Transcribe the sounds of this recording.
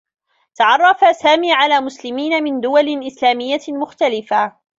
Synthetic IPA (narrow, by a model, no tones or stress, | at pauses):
t̪aɑʕɑrˤːɑfasaːmiːʕalaːmʊslɪmiːnamɪnd̪ʊwalɪʔɪslaːmɪjːamʊxt̪alɪfa